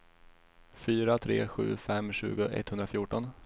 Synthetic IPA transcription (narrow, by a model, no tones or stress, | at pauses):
fyːɾat̪ʰɾḛːɧʉ̟̰ːfɛmːɕʉ̟̰ːɡʊʔɛ̰t̪ːhɵnd̪ɾafjʊːʈɔn